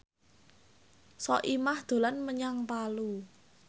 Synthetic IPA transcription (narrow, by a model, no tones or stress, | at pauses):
sɔʔimahd̪̥o̤lanməɲaŋpalu